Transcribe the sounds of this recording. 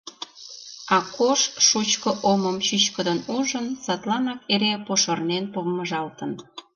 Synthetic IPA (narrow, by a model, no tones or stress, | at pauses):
ɑkoʃʃut͡ɕkə̆ʔoməmt͡ɕyt͡ɕkəd̪ənuʒənsɑt̪lɑnɑkeɾepoʃərnenpoβməʒɑlt̪ən